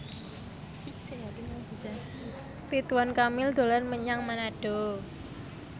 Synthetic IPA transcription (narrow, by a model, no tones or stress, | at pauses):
ab̥isa | t̪it̪wankamɪld̪̥o̤larməɲaŋmanaɖ̥o̤